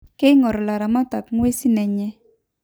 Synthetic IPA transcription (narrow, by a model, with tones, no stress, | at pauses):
ke˦ŋɔ˨ɾɔ˨la˨ɾa˨ma˦ta˨kŋwe˦si˦nɛ˨ɲɛ˦